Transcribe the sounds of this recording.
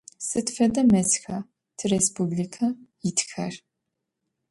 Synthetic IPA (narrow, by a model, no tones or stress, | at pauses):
sɨtfɐdɐmɐt͡sxɐ | tʰɨrespublikʰɐjɪtxɐr